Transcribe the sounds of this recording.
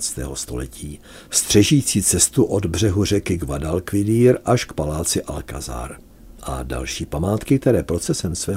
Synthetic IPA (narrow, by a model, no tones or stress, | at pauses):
t͡st̪ɛ̰ːɦo̞st̪o̞̰lɛcʰiː | st̪r̝̥ɛʒiːt͡siːt͡sɛst̪uʔo̞d̪br̝ɛɦur̝ɛkɪɡvadalkvɪdiːɾʔaʃkpalaːt͡sɪʔalka̰za̰ːɾ | ʔa̰da̰lʃiːpamaːt̪kɪk̚t̪ɛɾɛːpɾo̞t͡sɛsɛmsvɛː